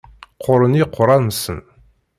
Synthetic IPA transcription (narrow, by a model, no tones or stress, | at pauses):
qʰoɾəniqʰoɾɑnsɨn